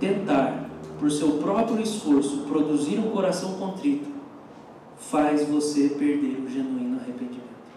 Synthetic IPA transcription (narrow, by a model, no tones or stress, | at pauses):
t̪ẽnt̪aɾpʊɾsewpɾɔpɾjʊisfoɾsʊpɾod̪uziɾũkoɾasɐ̃w̃kõnt̪ɾit̪ʊ̥ | fajzvosepeɾd̪eɾʊʒenuĩnʊahepẽnd͡ʒimẽnt̪ʊ̥